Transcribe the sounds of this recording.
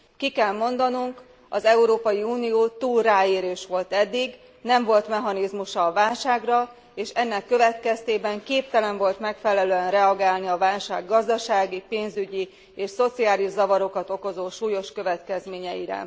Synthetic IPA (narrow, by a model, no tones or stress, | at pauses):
kikɛlmo̞nd̪ɒnuŋk | ɒzɛuɾoːpɒjiuːnijoːt̪uːlraːeːɾeːʃʋo̞lt̪ɛd̪ːiɡ | nɛɱvo̞lt̪mɛɦɒnizmuʃɒːvaːlʃaːɡrɒ | eːʃɛnːɛkːøvɛt̪kɛst̪eːbɛŋkeːp̚t̪ɛlɛɱvo̞lt̪mɛkfɛlɛløɛnrɛɒɡaːlniɒvaːlʃa̰ːɡːɒzd̪ɒʃaːɡipeːnzyɟi | eːʃso̞t̪siaːliʒzɒvɒɾo̞kɒt̪o̞ko̞zoːʃuːjo̞ʃkø̞vɛt̪kɛzmeːɲɛjḭɾɛ̰